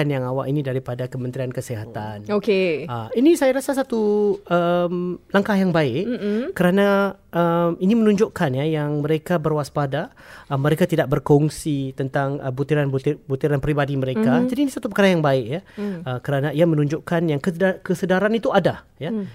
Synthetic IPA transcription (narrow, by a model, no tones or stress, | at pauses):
anjaŋawa̰ʔinĩdaɾipadakəmənt̪ɾiankəsiɦat̪anokeəinisajaɾasasat̪uəmlaŋkahjaŋbaɪʔkːəɾanã | əminimənũɲd͡ʒoʔkanjajaŋmə̃ɾekabərwaspadaəməɾekat̪idaʔ̚bərkɔŋsit̪ənt̪aŋə̰but̪iɾanuibut̪iɾanpɾibadiməɾekad͡ʒadiːnisat̪up̬əkaɾajaŋbaɪʔjaəkəɾanãiamə̃nũɲd͡ʒoʔkanjaŋkəkəsədaɾanit̪uadaja